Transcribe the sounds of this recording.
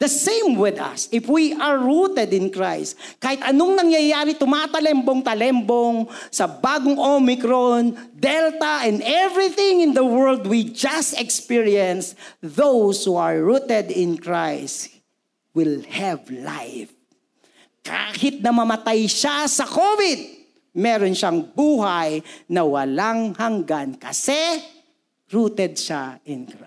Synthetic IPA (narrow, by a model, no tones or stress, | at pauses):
d̪ɐsẽjmwɪd̪ɐ̰sɪfwiʔɐɹːut̪ɛd̪ɪ̃nkɹajst̪̚ | kaːhɪt̪ɐnoŋnɐŋjɐjaːɾɪt̪ʊmat̪ɐlɛmboŋt̪ɐlɛmboŋsɐbaːɡoŋʔomɪkɾond̪ɛlt̪ɐʔɛ̃nd̪ɛvɹɪθɪ̃ŋɪ̃nd̪ɐwɛɹld̪wid͡ʒɐst̪ɛkspiɹiɛ̃nsðowshuɐɹɹut̪ɛd̪ɪ̃nkɹajst̪ | wɪlhɛvla̰jf | kʰa̰ːhɪt̪̚nɐmɐmɐt̪ajʃasɐkoːvɪd̪̚ | mɛːɾonʃaŋbuːɦajnɐwɐlaŋhɐŋɡankɐsɛ | ɹuːt̪ɛd̪̚ʃaʔɪnkɹa